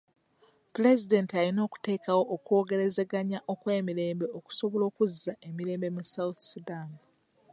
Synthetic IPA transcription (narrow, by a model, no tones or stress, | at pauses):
puɾe̞zide̞ntialino̞ːku̥te̞ːkawo̞ʔːkwo̞ːɡe̞ɾe̞ze̞ɡaɲaʔo̞kwe̞ːmiɾe̞ːmbe̞oku̥so̞βo̞lo̞ːkuzːaʔe̞miɾe̞ːmbe̞musawuθsudan